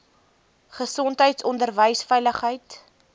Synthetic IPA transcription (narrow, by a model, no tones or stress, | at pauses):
χəsɔntɦəjtsɔndərvəjsfɛjləχɦəjt